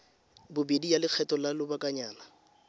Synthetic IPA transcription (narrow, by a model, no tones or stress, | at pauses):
bʊbedijalɪk͡xʰɛtɔlalʊbakʼaɲaːna